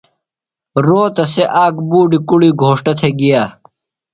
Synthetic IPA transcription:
ɾoːt̪ɐseʔaːkbuːɖikuɽiɡʱoːʂʈɐt̪ʰeɡijaː

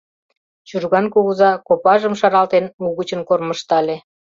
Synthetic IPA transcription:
t͡ɕurɣɑnkuɣəzɑkopɑʒəmʃɑɾɑlt̪enuɣət͡ɕənkorməʃt̪ɑlʲe

